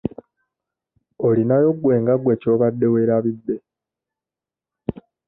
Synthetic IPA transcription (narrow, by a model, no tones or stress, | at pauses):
olinajo̞ɡwe̞ːŋɡaɡwe̞co̞ːβadːe̞we̞ɾaβid̪ːe̞